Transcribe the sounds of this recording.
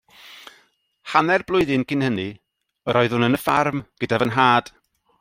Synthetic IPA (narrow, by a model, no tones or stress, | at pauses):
hanɛrblˠʊɨðɨnkʰɪnhəni | əɾɔɨðʊnənəfarmɡ̥ədavənɦaːd̥